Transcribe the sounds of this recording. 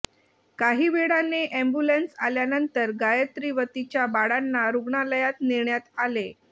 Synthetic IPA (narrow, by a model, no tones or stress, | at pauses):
kaɦiːʋeɽaneʔɛ̃mbulensaljanənt̪əɾɡajət̪ɾiʋət̪it͡ɕjabaɽanːaɾuɡɳaləjat̪niɾɳjat̪ale